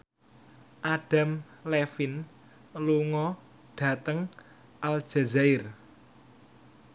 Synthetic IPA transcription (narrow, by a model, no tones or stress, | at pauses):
ʔaɖ̥a̤mlɛfin | luŋɔ | ɖ̥ä̤t̪əŋ | ʔald̥d͡ʒ̥a̤zaɪr